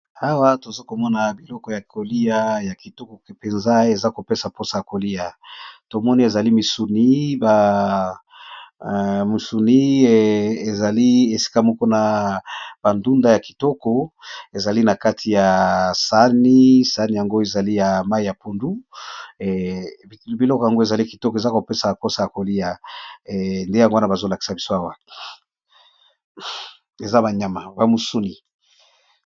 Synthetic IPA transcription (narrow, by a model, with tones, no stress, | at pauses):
a˦wa˦to˨zo˦ko˨mɔ˦na˨bi˨lɔ˦kɔ˦ja˨ko˨li˦a˨ja˨ki˨tɔ˦kɔ˨ke˨pe˨nza˦e˨za˦ko˨pe˦sa˨po˦sa˨ja˨ko˨li˦ja˨to˨mɔ˦ni˦e˨za˨li˦mi˨su˨ni˦ba˨ | mi˨su˨ni˦ | e˨za˨li˦e˨si̥˦ka˦mɔ˦ko˦na˨ | b̥a˨ndu˦nda˦ja˨ki̥˨tɔ˦kɔ˦e˨za˨li˦na˨ka˦tʰi˨ja˨sa˦ni˦sa˦ni˨ja˨ŋɡo˦e˨za˨li˦ja˨ma˦i˨ja˨po˨ndu˦˨ | bi˨lɔ˦ko˨ja˨ŋɡo˦e˨za˨li˦ki˨tɔ˦ke˨za˦ko˨pe˦sa˨a˨ko˦sa˨ja˨ko˨li˦a˨ | nde˦ja˨ŋɡo˦a˦na˦ba˨zo˦la˨ki̥˨sa˨bi˦so˦a˨wa˨ | e˨za˦ba˨ɲa˨ma˨ba˨mu˨su˦ni˨